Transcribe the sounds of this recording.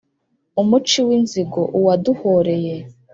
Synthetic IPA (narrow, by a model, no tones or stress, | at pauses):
umut͡ʃiwinziɡoʔuwaduhoɾe̞je